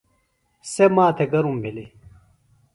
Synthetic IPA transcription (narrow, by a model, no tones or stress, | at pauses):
semaːt̪ʰeɡɐɾumbʱili